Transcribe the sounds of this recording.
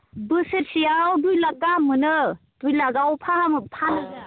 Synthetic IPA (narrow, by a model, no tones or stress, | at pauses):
bɯseɾsijawdujlakːamɯnɯd̥ujlaɡawpʰahamɯpʰan